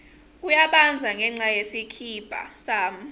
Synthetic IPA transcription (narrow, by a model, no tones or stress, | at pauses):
k̬ujaɓand͡zʱaŋɛŋ͡ǀajesikʰib̥ʱa̰saːm̩